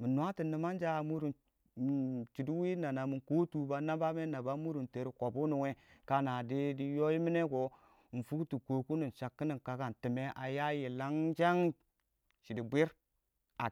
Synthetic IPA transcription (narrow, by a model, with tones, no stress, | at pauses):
mi˨nʷ˨a˦ti˨ni˨ma˦nd͡ʒa˦˨mu˦ɾu˨n˨ | t͡ʃi˨di˦wi˦na˨na˨mi˨ku˦tu˨ba˦na˦ba˦me˦na˨ba˦mu˦ɾu˨nte˨ɾi˦ko˨bu˦nu˨we˦ka˦na˨di˦di˦jo˦ji˦mi˦ne˦ko˨ | n̩˨fu˦kti˨ko˨ku˦ni˨nʃa˨kːi˦ni˨nka˨ka˨nti˨me˦ʔa˨ja˦ji˨la˦ŋd͡ʒa˦ŋ | t͡ʃi˨di˨bʷi˦ɾ | a˨